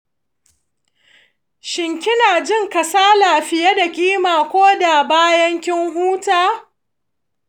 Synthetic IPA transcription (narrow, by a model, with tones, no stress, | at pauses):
ʃɪ˨ŋkʲɪ˦naː˨d͡ʒɪ˦ŋkɐ˨saː˦laː˨ɸɪ˨ja˦da˨kʲʼiː˦maː˨kʷoː˦da˨baː˦jɐ˦ŋkʲɪ˦ŋɦuː˦taː˦